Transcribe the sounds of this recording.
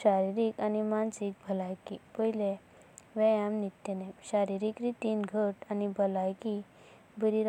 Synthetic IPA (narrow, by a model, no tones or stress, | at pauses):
ɕaɾiɾikanimansikbʱəlajkipəɦile | ʋɛjamnit̪ːenemɕaɾiɾikɾit̪inɡʱəʈanibʱəlajki | bʱəɾiɾ